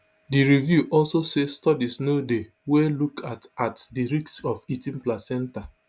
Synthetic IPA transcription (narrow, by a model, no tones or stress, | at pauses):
diɹivjuʔɔlsosestɔdisnode | welukʰatatdiɹiksɔfitĩnplasɛ̃nta